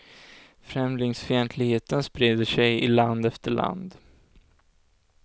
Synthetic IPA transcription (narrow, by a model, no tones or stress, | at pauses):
fɾɛmlɪŋsfœjɛnt̪ʰlɪɡheːt̪ənspɾeːd̪əʂɛjɪ̰land̪ɛft̪əɭa̰nd̪